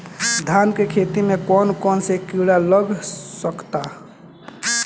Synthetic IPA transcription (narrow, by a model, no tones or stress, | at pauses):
d̪ʱankekʰet̪imekɔnkɔnsekiɽaləɡʱsəkt̪a